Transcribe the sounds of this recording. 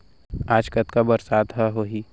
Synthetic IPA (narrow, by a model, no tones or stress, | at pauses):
aːd͡ʒkət̪kabɐɾsaːd̪ɦɛɦoːɦiː